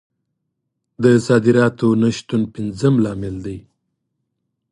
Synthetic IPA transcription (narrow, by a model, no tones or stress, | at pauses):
d̪əsɑd̪ɪɾɑt̪onaʃt̪unpɪnzəmlɑmɪld̪aj